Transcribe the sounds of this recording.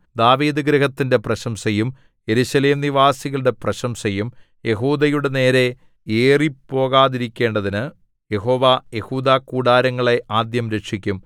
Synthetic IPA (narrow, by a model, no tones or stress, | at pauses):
d̪aːʋiːd̪ɨɡɾɐɦɐt̪ːinde̞prɐɕɐmsɐjum | je̞ɾuɕɐle̞ːmniʋaːsiɣɐɭɽe̞prɐɕɐmsɐjum | je̞ɦuːd̪ɐjuɽe̞ne̞ːɾe̞ | eːripːo̞ːɣaːðiɾikʲːe̞ːɳɖɐðinɨ | je̞ɦo̞ːʋaje̞huːd̪aːkuːɽaːɾɐŋːɐɭe̞ʔaːd̪jɐmɾe̞ʂʰikʲːum